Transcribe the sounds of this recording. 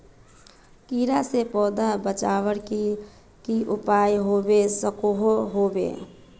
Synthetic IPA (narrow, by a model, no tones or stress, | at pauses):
kiːɾasepɔːd̪abət͡ʃaːwəɽk | kiʔʊpaːjɦobesəkoɦoɦobḛ